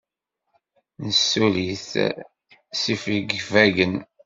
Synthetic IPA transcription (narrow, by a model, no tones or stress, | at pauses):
nəsːuliθ | sifiɡvæɡən